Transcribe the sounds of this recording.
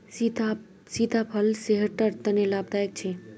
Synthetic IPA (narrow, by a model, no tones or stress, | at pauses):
it̪a | sit̪apʰəlseɦəɾʈəɾt̪ənelab̚d̪ajək̚t͡ʃʰe